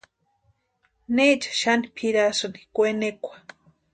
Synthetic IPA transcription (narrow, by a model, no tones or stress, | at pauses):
net͡ʃḁʃanipʰiɾasɨni̥kʷenekʷḁ